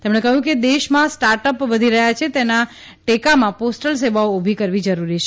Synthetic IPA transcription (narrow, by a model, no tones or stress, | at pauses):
t̪emɳekəɦũked̪eʃmãsʈaɾʈəpʋəd̪ʱiɾəɦjat͡ʃʰet̪ena | ʈekamãposʈəls̬eʋaoobʱikəɾʋid͡ʒəɾuɾit͡ʃʰe